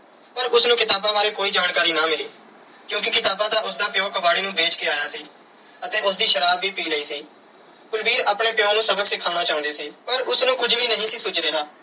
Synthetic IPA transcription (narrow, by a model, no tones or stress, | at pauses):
pəɾʊsnũːkɪt̪aːbãːbaːɾeːkoːiːd͡ʒaːnkaːɾiːnãːmɪliː | kjũːk̬ɪkɪt̪aːbãːd̪aːʔʊsd̪aːpjõːkəʋaːɽeːnũːbeːt͡ʃkeːaːjaːsiː | ət̪eːʊs̬d̪iːʃəɾaːbːiːpiːləiːsiː | kʊlbiːɾaːpɳeːpɪjõːnũːsəbəksɪkʰːaːnaːt͡ʃaːʊ̃nd̪eːsiːpəɾʊsnũːkʊd͡ʒʋiːnəɦĩːsiːsʊd͡ʒɾeɦaː